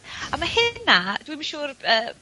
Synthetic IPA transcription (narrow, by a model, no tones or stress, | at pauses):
amahɪnːad̥wimʃuːrəː